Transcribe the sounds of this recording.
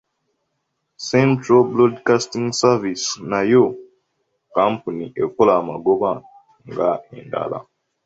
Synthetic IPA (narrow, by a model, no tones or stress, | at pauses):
sẽntɾablodkastĩŋɡsavisnajo | kampuniʔekolamaɡoβa | ŋɡaḛnda̰la̰